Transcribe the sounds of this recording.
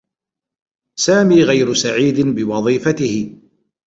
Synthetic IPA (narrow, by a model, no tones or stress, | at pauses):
saːmiːɣajɾʊsaʕiːd̪ɪnbɪwɑðˤiːfat̪ɪhɪ